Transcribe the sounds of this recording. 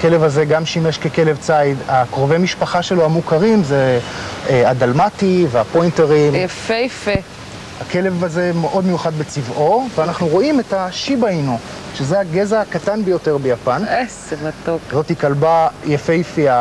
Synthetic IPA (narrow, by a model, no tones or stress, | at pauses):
ake̞levaze̞ɡamʃimeʃkeke̞le̞vt͡saidakʁovemiʃpaχaʃe̞loamukaʁimzeeadalmativeapo̞jnteʁimjfejfe | hakele̞vaze̞meʔo̞dmejuχad̪bet͡sivʔo̞veanaχnuʁo̞ime̞thaʃibaino | ʃezeaɡezakatanbejo̞te̞ʁbejapanesemat̪okzo̞tikalbajafejifia